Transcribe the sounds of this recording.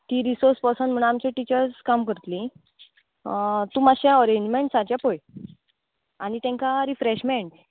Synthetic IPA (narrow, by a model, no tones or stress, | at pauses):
t̪iːɾisoɾspəsən̤əɽ̃aamt͡ɕeʈit͡ɕəɾskamkəɾt̪lĩ | t̪umaɕaɔɾẽɲd͡ʑmeɳʈsad͡ʑjapoj | anit̪ẽŋkaɾifɾeɕmeɳʈ